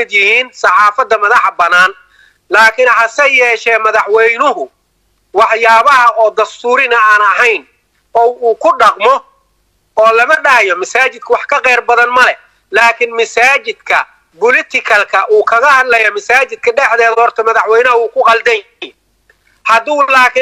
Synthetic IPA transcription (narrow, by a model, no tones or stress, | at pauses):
mɪd̪jɪhiːnsɑħɑːfɐd̪ːɐmɐðɑħbɐnaːn | laːkʰɪnħɑsɛjɛːʃɛːmɐðɑħwɛjnʊɦʊ | wɑħjaːβɐɦɐʔɔːd̪ɐst̪ʰuːɾɪnɐaːnɐɦɛjn | ɔːwuːkʰʊɖɑqmɔ | ɔːlɐmɐɖɐhɐjɔmɐsaːt͡ʃɪd̪̥̚kʰɐwɑħkʰɐqɛːrbɐðɐnmɐlɛ | laːkʰɪnmɐsaːt͡ʃɪd̪kʰɐ | bʊlɪt̪ʰɪkʰɐlkʰɐʔuːkʰɐɣɐhɐd̪lɐjɐmɐsaːt͡ʃɪd̪̥̚kʰɐɖɛħd̪ɛːðɐhɔrt̪ʰɐmɐðɑħwɛjnɐɦɐuːkʰʊqɑld̪ɐj | hɐd̪ulaːkʰɪ